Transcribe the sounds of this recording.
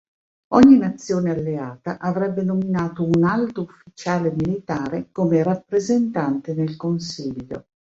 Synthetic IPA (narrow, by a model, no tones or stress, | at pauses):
ɔɲːinat̪sːjoːnealːeaːt̪aʔavɾɛbːenominaːt̪ounalt̪oufːit͡ʃaːlemilit̪aːɾekomerapːɾezent̪ant̪enelkonsiʎːo̰